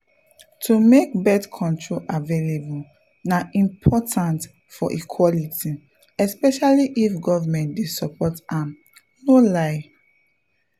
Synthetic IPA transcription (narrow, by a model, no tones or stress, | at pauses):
tʰumek̚bɛdkʰɔ̃ntʰɹoʔavelebu | naʔĩmpʰɔtʰãnt | fɔʔikʰwɔliti | ɛspɛʃaliʔifɡɔvamɛ̃ntdesɔpɔtãm | nolaɪ